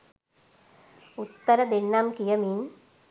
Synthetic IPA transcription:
ut̪ːəɾəd̪enːamkijəmin

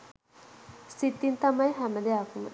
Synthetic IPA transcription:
sit̪ːint̪amajɦæməd̪eakumə̰

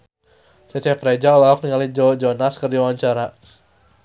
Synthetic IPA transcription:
sət͡ʃɛpɾed͡ʒaulaɔk̚niŋalid͡ʒɔd͡ʒɔnaskərdiwawaɲt͡ʃaɾa

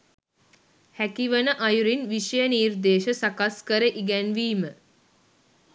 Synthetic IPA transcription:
hækiʋənəʔajuɾinʋiʃəjəniːrd̪eːʃəsakaskəɾəʔiɡɛnʋiːmə

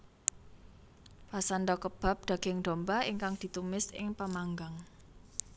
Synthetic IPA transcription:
pasand̪ɔkəb̥a̤p̚d̪̥a̤ɡ̥ɪŋd̪̥ɔ̤mbaiŋkaŋd̪̥i̤t̪umɪsɪ̰ŋpəmaŋɡaŋ

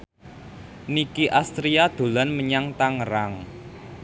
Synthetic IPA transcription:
nikiʔast̪ɾiad̪̥o̤lanməɲaŋt̪aŋəɾaŋ

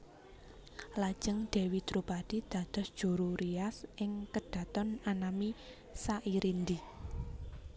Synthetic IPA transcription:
lad̥ʒ̥əŋd̪̥e̤wit̪ɾupad̥id̪̥ä̤d̪̥ɔ̤sd̥ʒ̥ṳɾuɾiasʔɪŋkəɖ̥ä̤t̪ɔnanami | saʔiɾind̪i

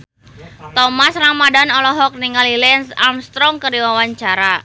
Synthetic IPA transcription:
t̪ɔmasraŋmadanɔlɔɦɔk̚niŋalilɛnsamst̪ɾɔŋkəɾiwawaɲt͡ʃaɾa

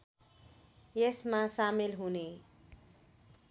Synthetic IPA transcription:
jesmasamilɦune

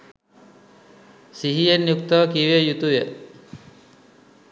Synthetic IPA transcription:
siɦijenjuk̚t̪ɔkiʋejut̪uʋe

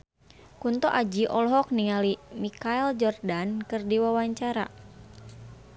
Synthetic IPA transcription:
kunt̪ɔʔad͡ʒiʔɔlɦɔk̚niŋalimikaɛld͡ʒɔrdankɨrdiwawaɲt͡ʃaɾa̰

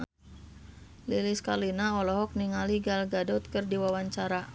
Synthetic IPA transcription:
liliskalinaɔlɔɦɔk̚niŋaliɡalɡadɔt̪̚kərdiwawaɲt͡ʃaɾa

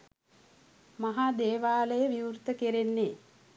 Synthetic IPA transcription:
maɦaːd̪eːʋaːləjəʋiurt̪əkeɾenːe

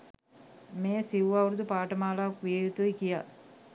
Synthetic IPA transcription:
meːsiʋɐʋɾud̪upaːʈɐmaːlaːkujejut̪oikija

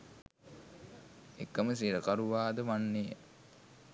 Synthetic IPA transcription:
ekːəməs̬iɾəkaɾuʋaːd̪əʋanːejə̰

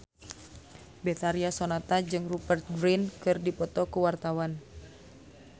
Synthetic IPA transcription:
bɛt̪aɾiasonat̪ad͡ʒɨŋrupərt̪̚ɡɾinkɨrdipɔt̪ɔkuwart̪awan

